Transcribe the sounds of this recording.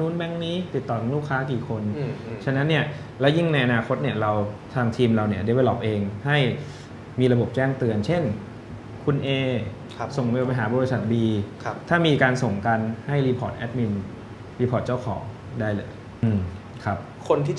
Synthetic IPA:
nuː˦˥nbɛ˦˥˩ŋniː˦˥t̪i˨˩t̪ːɔː˨˩ka˨˩ŋluː˥˩kʰːaː˦˥k̬iː˨˩kʰo˧nt͡ɕʰa˦˧na˦˥nːi˥˩ɐ | lɛː˦˥wji˥˩ŋna˧jʔa˧naː˧kʰo˦˥t̪̚ni˥˩ɐɾa˧wt̪ʰaː˧ŋt̪ʰiː˧mɾa˧wni˥˩ɐde˦˥we˥˧lɔ˦˩p̚ʔeː˧ŋha˥˩j | miː˧ɾa˧bo˨˩p̚t͡ɕɛː˥˩ŋt̪ɯ˧ənt͡ɕʰe˥˩n | kʰu˧nʔeː˧ | so˨˩ŋpːpa˧jɦaː˩˦bɔː˧ɾi˧˥sa˨˩t̪̚biː˧t̪ʰaː˥˩miː˧kaː˧nso˨˩ŋka˧nha˥˩jliː˧pʰɔː˨˩t̪̚ʔɛ˦˥t̪̚mi˧n | liː˧pʰɔː˨˩t̪̚t͡ɕa˥˩wkʰɔː˩˦ŋ | daː˥˩jlɤː˧˩j | ɯː˧m | kʰa˦˥p̚kʰo˧nt̪ʰiː˥˩

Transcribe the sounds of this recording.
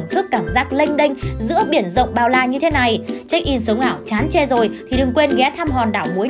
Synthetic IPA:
nt̪ʰɨ˦˥kːaː˧˩mzaː˦˥k̚lə˧jŋ̟ɗï˧jŋ̟zɨ̰˧˥əɓi˧˩ənzə̰˧˨wŋ͡mɓaː˧˩wlaː˧˩ɲɨ˧t̪ʰe˨˦na˨˩jt͡ɕa˦˧˥k̟̚ʔi˧˩nsɨ˨˦wlaː˧˩wt͡ɕaː˨˦nt͡ɕe˧zo˨˩jt̪ʰi˨˩ɗɨ˨˩ŋkwe˧nɣɛ˨˦t̪ʰaː˧mɦɔ˨˩nɗaː˧˩wmu˨˦j

